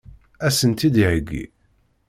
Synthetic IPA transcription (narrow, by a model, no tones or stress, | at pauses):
æsənt̪id̪iʕəɡːḭ